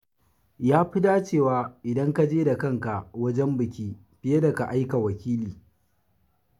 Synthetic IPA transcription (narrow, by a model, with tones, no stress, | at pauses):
jaː˦ɸɪ˦daː˦t͡ʃeː˦˨waː˦ʔɪ˨dɐ˦ŋka˦d͡ʒeː˦da˨kɐ˦ŋka˨wɐ˦d͡ʒɛ˦mbɪ˨kʲiː˦ | ɸɪ˦je˦da˨ka˨ʔa˦jka˨wɐ˨kʲiː˦liː˨